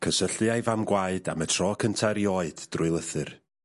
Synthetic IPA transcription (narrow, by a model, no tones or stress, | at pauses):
kʰəsəɬɨajvamɡwaɨda̰mətʰrɔːkʰəntʰaɾjɔɨd̥d̥rʊɨlˠəθɨr